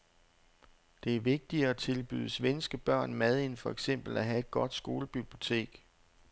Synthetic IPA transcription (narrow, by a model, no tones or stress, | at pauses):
d̥e̝æɐʋe̝ɡ̥̚d̥iɐæt͡sʰe̝lb̥y̰ðˠəsʋensɡ̥əb̥ɶɐ̰nmæð̞ˠe̝nfɒ̽eɡ̥sem̰b̥l̩æɦæe̝d̥̚ɡ̥ɒ̽d̥sɡ̥o̝ːləb̥yb̥lio̝t͡sʰe̝̰ːɡ̥